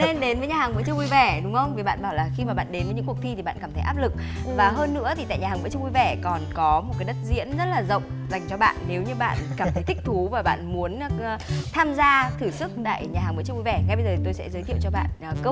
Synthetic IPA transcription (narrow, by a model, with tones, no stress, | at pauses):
ne˧nɗe˨˦nvəː˨˦jɲaː˨˩haː˨˩ŋvɨ̰˧˥ət͡ɕʊ˧ŋʔwi˧˩vɛ˧˩ɗʊ˨˦ŋ͡mhə˧wŋ͡mvi˨˩ɓa̰ː˧˨nɓaː˧˩wlaː˨˩xi˧maː˨˩ɓa̰ː˧˨nɗe˨˦nvə˨˦ɲɨ̰˧˥ku˨˩ək̚t̪ʰi˧t̪ʰi˨˩ɓa̰ː˧˨kaː˧˩mə˧˦ʔaː˦˥p̚lɨ˨˩k̚vaː˨˩ɦəː˧nːɨ̰˧˥ət̪ʰi˨t̪a̰ː˧˨ɲaː˨˩aː˨˩ŋvɨ̰˧˥t͡ɕu˧ŋ͡mwi˧˩vɛ˧˩kɔ˨˩nkɔ˨˦mo˨˩t̚kaː˨˦jɗə˦˥t̚zḭ˧˥ənzə˦˥t̚laː˨˩zə̰˧˨wŋ͡mza˨˩jŋ̟t͡ɕɔ˧ɓa̰ː˧˨nːe˨˦wɲɨ˧ɓa̰ː˧˨nkaː˧˩mt̪ə˨˦jt̪ʰi˦˥k̚t̪ʰu˨˦vaː˨˩ɓa̰ː˧˨nmu˨˦ənː˧˨t̪ʰaː˧mzaː˧t̪ʰɨ˧˩sɨ˦˥k̚ɗ̪a̰ː˧˨jɲaː˨˩ɦaː˨˩ŋvɨ̰˧˥t͡ɕu˧ŋ͡mʔu˧˩vɛ˧˩ŋa˧jɓə˧jzəː˨˩i˨˩t̪o˧jsɛ̰˧˥zəː˨˦t̪ʰḭ˧˨wt͡ɕɔ˧ɓa̰ː˧˨nʔːkəː˦˥